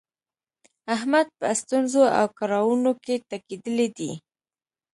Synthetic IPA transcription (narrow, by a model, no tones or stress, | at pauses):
aɦmad̪̚pəst̪unzoa̰wkɑɾɑwunoket̪akid̪əlid̪ḭ